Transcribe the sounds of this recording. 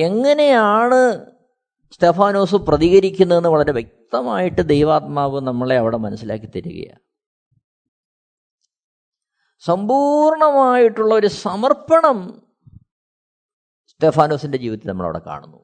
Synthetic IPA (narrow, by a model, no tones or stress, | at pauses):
e̞ŋːɐne̞jaːɳɨ | st̪e̞ːfaːno̞ːsɨprɐðiɣɐɾikʲːunːɐðe̞nːɨʋɐɭɐɾe̞ʋje̞k̚t̪ɐmaːjiʈːɨd̪ejʋaːt̪maːʋɨnɐmːɐɭeɐʋiɽe̞mɐnɐsːila̰ːkːit̪ːɐɾṵɣɐ̰ja̰ | sɐmbuːɾɳɐmaːjiʈːuɭːɐo̞ɾusɐmɐrpɐɳɐm | st̪e̞ːfaːno̞ːsinde̞d͡ʑiːʋiðnɐmːɐɭɐʋḭɽe̞̰ka̰ːɳunːu